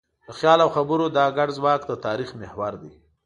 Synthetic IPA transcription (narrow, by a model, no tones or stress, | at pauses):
d̪̥əxjɑlawxabəɾod̪ɑɡaɖzwɑkd̪ət̪ɑɾixmɪhwaɾd̪i